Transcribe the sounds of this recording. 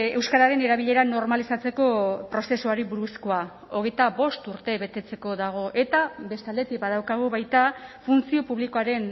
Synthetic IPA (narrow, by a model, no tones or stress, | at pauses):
e̞wskaɾaɾe̞ne̞ɾaβ̞iʎe̞ɾano̞ɾmalisat͡se̞ko̞pɾo̞se̞suaɾiβuɾuskoa | o̞ɣ̞e̞jt̪aβo̞st̪uɾt̪e̞βe̞t̪e̞t͡se̞ko̞ðaɣ̞o̞ʔe̞t̪abe̞st̪ald̪et̪ik̚baðawkaɣ̞uβajt̪afunt͡sio̞puβliko̞aɾe̞n